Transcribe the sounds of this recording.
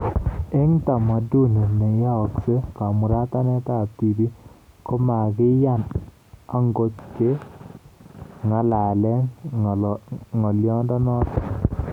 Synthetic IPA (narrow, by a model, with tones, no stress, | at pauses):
e˦ŋta˨ma˨du˦ne˨ne˨ja˦ɔ˨kse˦ka˨mu˨ɾa˦ta˦nɛ˦ta˦˨ti˨bi˦kɔ˦ma˨kɪ˦ja˦˨n | a˨ŋɡo˦tke˦ | ŋa˨la˨lɛ˦ŋ˨ | ŋɔ˨ljɔ˦ndɔ˦nɔ˦t